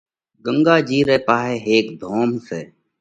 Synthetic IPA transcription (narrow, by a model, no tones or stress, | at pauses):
ɡəŋɡaːd͡ʒiːɾeːpaːɦeːɦeːkd̪ʱoːmseː